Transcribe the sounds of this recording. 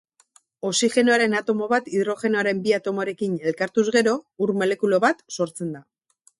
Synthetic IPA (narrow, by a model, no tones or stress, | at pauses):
o̞sixe̞noaɾe̞nat̪o̞mo̞βat̪iðɾo̞xe̞noaɾe̞mbiat̪o̞moɾe̞kine̞lkaɾt̪uzɣe̞ɾo̞uɾmo̞le̞kulo̞βat̪so̞ɾt͡se̞nd̪a